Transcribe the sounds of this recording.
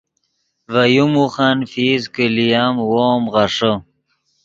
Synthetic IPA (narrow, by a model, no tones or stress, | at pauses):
vajumuχanfiːzkilijamwoːmʁaʂo